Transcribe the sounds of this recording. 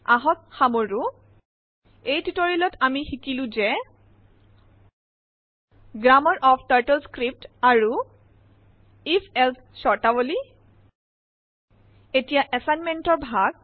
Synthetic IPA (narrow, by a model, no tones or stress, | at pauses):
aɦɔk̚xamoɹu | ejtitoɹilɔtʰamixikilʊ̃zɛ | ɡɹamɔɹʔɔpʰtaɹtɛlskɹip̚taɹu | ifʰɛlsʰ | sɔɹtaboli | etijaʔɛsajnmɛntɔɹbʱaɡ